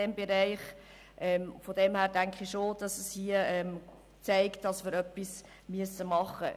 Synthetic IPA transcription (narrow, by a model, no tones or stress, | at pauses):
ɛmbeɾæɪχ | ʔɛmfɔdɛmhæːɾdæŋkχiʃoːd̥ɑsəshiəɛm | t͡sæɪkt̚dɑsməɾœpːis | myəsːəmɑχə̰